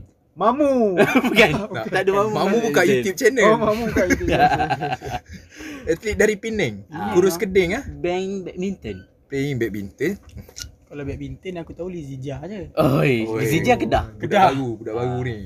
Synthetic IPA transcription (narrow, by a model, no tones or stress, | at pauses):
mamubukanaaʔdumammãmũbukaʔjut̪jup̚t͡ʃɛnəlmamubukajt | ət̪lit̪̚daɾipinɛŋuɾʊskədɪŋahbɛŋbɛk̚bint̪ən | peiŋbɛk̚bint̪ənkalabɛk̚bint̪ənakut̪aulizid͡ʒad͡ʒəojizid͡ʒakədahkədabaɡubudahbaɡuni